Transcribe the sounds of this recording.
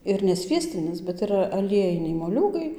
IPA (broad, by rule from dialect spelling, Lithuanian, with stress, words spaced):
ɪr nʲɛ ˈsʲʋʲiɛsʲtʲɪnʲɪs bʲɛt ɪˈrɐ ɐˈlʲiɛjɪnʲɛɪ moːˈlʲuːɡɐɪ